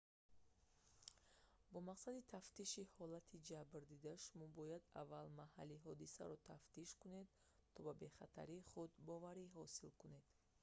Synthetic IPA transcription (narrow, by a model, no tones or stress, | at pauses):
bɔmaqsad̪it̪ʰaft̪iʃihɔlat̪ʰid͡ʒabɾd̪id̪aʃumɔbɔjad̪a̰vːalmaha̰liɦɔd̪isa̰ɾɔt̪ʰaft̪iʃkune̞d̪ | t̪ʰɔbabe̞χat̪ʰa̰ɾiːχud̪bɔvaɾiɦɔsilkune̞d̪̥